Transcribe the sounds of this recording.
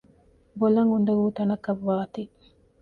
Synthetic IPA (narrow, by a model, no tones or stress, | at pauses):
bolɐŋund̪ɐʋuːt̪ɐnɐkɐʋːaːt̪i